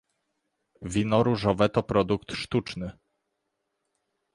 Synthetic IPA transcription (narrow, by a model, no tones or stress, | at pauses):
vʲinɔɾuʐɔvɛt̪ɔpɾɔd̪ukt̪ʂt̪ut͡ʂnɘ